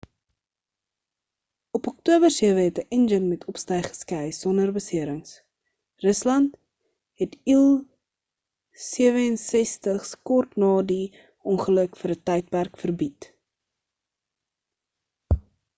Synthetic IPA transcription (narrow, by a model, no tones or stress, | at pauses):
ɔpɔk̚tuəbərsiəvəɦɛtəʔɛnd͡ʒənmɛtʰɔpstəjχə̥skɛjsɔndərbəsiəɾəŋs | rəslɐnt | ɦɛtilˠ | siəvəənsɛstəχskɔrtnɑːdi | ɔŋχələkfəɾətɛjt̚pærkfərbit